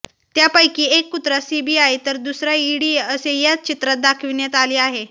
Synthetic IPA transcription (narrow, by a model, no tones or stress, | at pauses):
t̪japəjkiːekːut̪ɾasibiajt̪əɾd̪usɾjaiɽiəsejat͡st͡ɕit̪ɾat̪̚d̪akʰʋinjet̪aliːaɦe